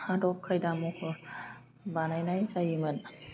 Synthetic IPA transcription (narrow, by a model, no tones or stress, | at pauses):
adɔp̚kʰajdamokʰɯ | banajnajsajimɯn